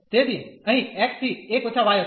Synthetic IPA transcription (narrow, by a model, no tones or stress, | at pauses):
t̪eːd̪ieə̃ɦĩɛːk̚t̪ʰiːeːkʋət͡ʃʰaːʋaːjo